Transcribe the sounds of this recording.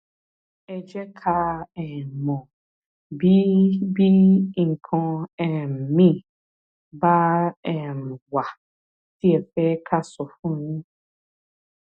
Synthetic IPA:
ɛ˨d͡ʒɛ˦kʰa˦ɛ˨mɔ̃˨ | bi˦bi˦ŋ̩˨kʰɔ̃˦ɛ˨m̩˨mĩ˦˨ | ba˦ɛ˨m˨wa˨ | d̥i˦ɛ˨fɛ˦kʰa˦sʊ˨fũ˦nĩ˦

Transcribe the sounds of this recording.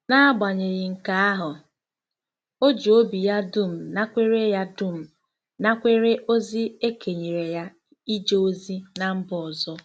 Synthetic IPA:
na˦a˦ba˨ɲe˨ɣɪ˨ŋ̩˨ka˨˦a˦ɦʊ˨ | o˦d͡ʒo˦bi˨ja˦du˦˨m̩˨na˦kʷe˦ɾe˦ja˦dʊ˦˨m̩˨ | na˦kʷe˦ɾe˦ʔo˦zi˦e˦kʰe˨ɲe˨ɾe˨ja˦ | i˦d͡ʒo˦o˦zi˦na˨m̩˦bɔ˨ɔ˨zɔ˦

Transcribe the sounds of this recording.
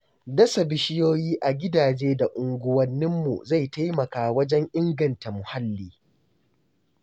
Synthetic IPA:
dɐ˦sa˨bɪ˦ʃɪ˦joː˦jiː˦ʔa˨ɡʲɪ˦daː˨d͡ʒeː˦da˨ʔʊ˨ŋɡʷʊ˦wɐ˦nːɪ˦mːṵ˨za˦˨jta˦jmɐ˨kaː˨wɐ˦d͡ʒɛ˦ŋʔɪ˦ŋɡɐ˨nta˨mʊ˨ha˦lːiː˨

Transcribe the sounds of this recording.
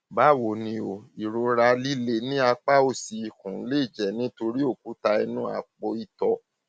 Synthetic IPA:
ba˦˨wo˨nĩ˧o˨i˨ɾũ˨˧˦ɾa˧˦li˦le˧nĩ˦a˧k͡pa˦o˦˨si˨i˨kũ˨˦le˦i˦˨d͡ʒɛ˨nĩ˨˦to˧ɾi˦o˦˨ku˨˦ta˧i˧nũ˦a̰˦˨k͡po˧i˧˨tɔ˧

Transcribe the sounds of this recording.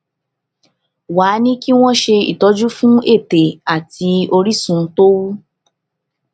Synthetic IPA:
waː˨˦nĩ˦ki˦w̃ɔ̃˦ʃe˧ḭ˨tɔ˨˦d͡ʒu˦fũ˦e˦˨te˨a˨tʰi˧o˧ɾi˦sũ˧˦to˦wu˦

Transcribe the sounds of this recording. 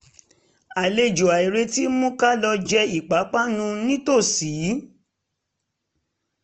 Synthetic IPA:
a˨le˧d͡ʒo˨a˨i˨ɾe˧ti˦mũ˦ka˦lɔ˧d͡ʒɛ˧i˨k͡pa˨˦k͡pa˦nũ˧˦nĩ˦to˦˨siː˨˦

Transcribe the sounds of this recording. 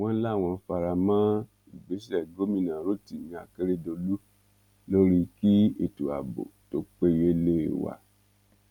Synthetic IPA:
w̃ɔ̃˧˦la˦˨w̃ɔ̃˧fa˧ɾa˧mã˦ | i˨ɡ͡be˨˦ʃɛ˨ɡo˨˦mĩ˦˨nã˨ɾo˦˨ti˨nĩ˨˦a̰˨ke˦ɾe˦do˧lu˦ | lo˦ɾi˦ki˦e˨tu˨a̰˨bo̰˨to˨˦k͡pe˦je˦le˦˨wa̰˨

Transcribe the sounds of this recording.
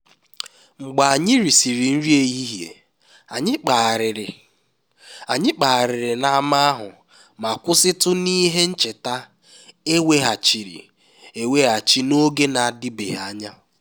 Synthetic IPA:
ŋ͡m̩˨ɡ͡ba˨a˨ɲɪ˦ɾi˨si˨ɾi˨n̩˦ɾi˦e˨ji˦ɦjḛ˨ | a˨ɲɪ˦k͡pa˨ɾɪ˨ɾɪ˨ | a˨ɲɪ˦k͡pa˨a˨ɾɪ˨ɾɪ˨na˨a˦ma˦a˦ɦʊ˨ | ma˨kʷʊ˦sɪ˦tʊ˦ni˦ɦe˦n̩˦t͡ʃe˨ta˦ | e˦we˦ɦa˨t͡ʃi˨ɾḭ˨ | e˨we˦ɦa˨t͡ʃi˦no˦ɡe˦na˨a˨dɪ˦bḛ˨ɦa˦ɲa˦

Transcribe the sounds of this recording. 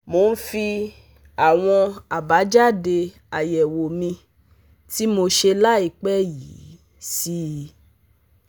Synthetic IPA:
mo˧n̩˦fi˧ | a˨w̃ɔ̃˧a˨ba˨˦d͡ʒa˦˨de˧ | a˨jɛ˨wo˨mĩ˧ | ti˦mo˧ʃe˧la˦i˦˨k͡pɛ˦ji˨˦ | si˦˧˦

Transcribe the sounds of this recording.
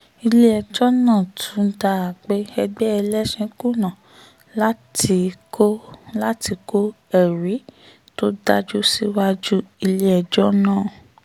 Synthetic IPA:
i˧le˦ɛ˨d͡ʒɔ˦nãː˦˨tʰũ˨˦da˧a˨k͡pe˦ɛ˧ɡ͡bɛ˦ɛ˧lɛ˦ʃĩ˨˦ku˦˨nã˨ | la˦ti˧o˦la˦ti˧ko˦ | ɛ˦˨ɾi˨˦ | to˦da˦d͡ʒu˦si˦wa˦d͡ʒu˦i˧le˦ɛ˨d͡ʒɔ˦nãː˦˨

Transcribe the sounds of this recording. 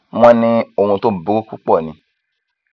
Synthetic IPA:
mɔ̃˦nĩ˦o˨hũ˧to˦˨bi˨˦ku˦ku˦k͡pɔ˦˨nĩ˨˧

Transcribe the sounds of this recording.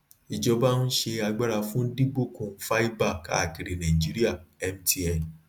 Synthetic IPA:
i˧d͡ʒɔ˧ba˦nũ˦ʃe˧a˧ɡ͡ba˦ɾa˧fũ˦di˦bo˦˨kũ˧˦fa˦i˦ba˦˨ka̰˦a˦˨ki˨ɾe˨nã˨ĩ˨d͡ʒi˦ɾi˦a˦˨ɛ˧mti˧˦ɛ˨n

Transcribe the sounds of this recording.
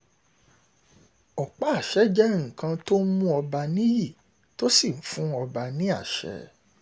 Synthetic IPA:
ɔ˨k͡pa˦˨ʃɛ˨˦d͡ʒɛ˦ŋ̩̃˨kã˧to˦mũ˦ɔ˧ba˧nĩ˦ji˦˨ | to˦si˦˨m̩˨fũ˨˦ɔ˧ba˧nĩ˦a˦˨ʃɛ̰˨˧˦

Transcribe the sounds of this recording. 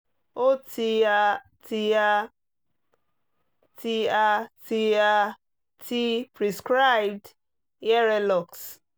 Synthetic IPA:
o˦tʰi˨a˦ | tʰi˨a˦ | tʰi˦a˨ti˨a˦ | tʰi˦pɾi˨skɾa˦˨b̚d | jɛ˦ɾe˦lɔ˨ks

